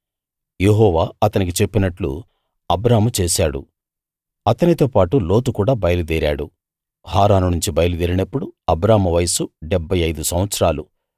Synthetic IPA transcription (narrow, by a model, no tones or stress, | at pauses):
jeɦɔːʋaːɐt̪ɐnik̬it͡ʃe̞pːinɐʈlṵ | ɐbɾaːmut͡ʃeːsaːɽṵ | ɐt̪ɐnit̪o̞ːpaːʈulo̞ːt̪ukuːɽaːbɐjɐlud̪eːɾa̰ːɽṵ | haːɾaːnunuɲt͡ʃibɐjɐlud̪iːɾinɐpːuɽuɐbɾaːmɐʋɐjsuɖebʱːɐjɐjd̪usɐmʋɐt̪sɾaːlu